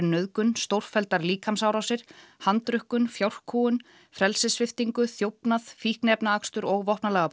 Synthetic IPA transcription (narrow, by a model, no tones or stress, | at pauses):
nœðkʏnst̪owr̥fɛlt̪aɾliːkʰamsawɾawsɪɾ̥hant̪ɾʏhkʏnfjawr̥kʰuːʏn | fɾɛlsɪsfvɪft̪iŋkʏθjowpnaðfihknɛpnaakst̪ʏɾɔɣvɔhpnalɛːɣa